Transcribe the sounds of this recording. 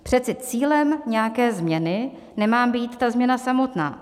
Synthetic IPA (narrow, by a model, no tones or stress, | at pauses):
pr̝̥ɛt͡sɛt͡siːlɛmɲɛjakɛːzmɲɛnɪ | nɛmaːmbiːt̪t̪ːazmɲɛnasamo̞t̪na̰ː